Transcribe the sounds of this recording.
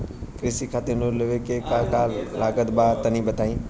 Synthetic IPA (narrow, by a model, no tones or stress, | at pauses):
kɾɪsikʰaːt̪enʊlɪʋekekãːkaːlaːɡət̪baːt̪ɐnĩbɐt̪ʰaːĩː